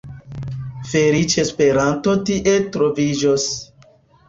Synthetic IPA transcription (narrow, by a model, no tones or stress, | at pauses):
feɾit͡ʃespe̞ɾantotiʔe̞tɾovid͡ʒos